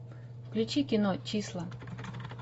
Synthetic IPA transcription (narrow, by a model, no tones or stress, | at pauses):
fklʲut͡ɕikʲɪnɔt͡ɕislˠɐ